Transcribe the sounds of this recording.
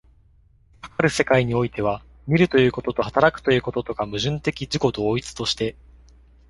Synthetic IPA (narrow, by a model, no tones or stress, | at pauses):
kḁkaɾɯ̟se̞kaiɲ̟io̞it̪e̞β̞a | mʲiɾɯ̟t̪o̞jɯ̟ːko̞t̪o̞t̪o̞hat̪aɾakɯ̟̥t̪o̞jɯ̟ːko̞t̪o̞t̪o̞kamɯ̟ʑɨ̃nt̪e̞kʲid͡ʑiko̞d̪o̞ːit͡sɨ̥t̪o̞ɕi̥t̪e̞